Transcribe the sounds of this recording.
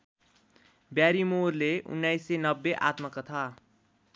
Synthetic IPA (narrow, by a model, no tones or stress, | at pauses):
bjaɾimoɾleʔʊ̰nːaisːenəbːeʔa̰ːt̪məkət̪ʰa